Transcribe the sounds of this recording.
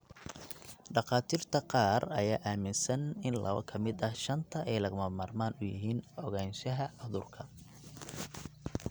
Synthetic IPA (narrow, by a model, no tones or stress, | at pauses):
ɖɑqɑːt̪ʰiːrt̪ʰɐqɑːrɐjaːʔaːmɪnsɐnɪnlɐ̰βɐ̰kʰɐmɪd̪ɐhʃɐnt̪ʰɐʔɛjlɐɣʊmɐmaːrmaːnʊjɪ̰ɦiːnɔɣɛːnʃɐɦɐʊðʊrkʰɐ